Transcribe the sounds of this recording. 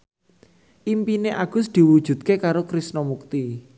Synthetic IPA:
ʔimpineʔaɡ̥ʊ̤sd̪̥i̤wu̥ʒ̥ṳd̪̚kekaɾokɾisnɔmuk̚t̪i

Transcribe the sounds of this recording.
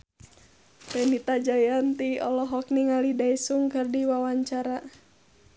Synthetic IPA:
pɛnit̪ad͡ʒajant̪iɔlɔɦɔk̚niŋalidaisuŋkɨrdiwawaɲt͡ʃaɾa

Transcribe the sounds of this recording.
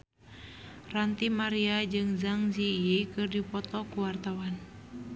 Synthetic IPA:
rant̪imaɾiad͡ʒɨŋzaŋziekɨrdipɔt̪ɔkuwart̪awan

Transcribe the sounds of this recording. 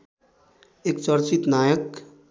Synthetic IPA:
eːkt͡ʃəɾt͡ʃɪt̪naːjək

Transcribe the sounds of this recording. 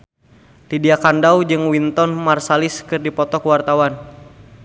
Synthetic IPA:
lidiakandawd͡ʒɨŋwint̪ɔnmarsaliskɨrdipɔt̪ɔkwart̪awan

